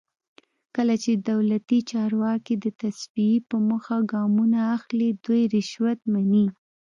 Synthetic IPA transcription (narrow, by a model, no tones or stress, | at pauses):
kəlat͡ʃed̪awlat̪it͡ʃɑɾwɑkid̪ət̪asbiipəməxaɡɑmunaːxlid̪ujɾɪʃwat̪mani